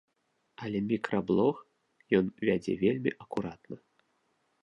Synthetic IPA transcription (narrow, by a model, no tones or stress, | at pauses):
ɐlʲɛmʲikɾɐblˠɔx | jɔnvʲad͡zʲɛ̰vʲelʲmʲiʔɐkuɾat̪nɐ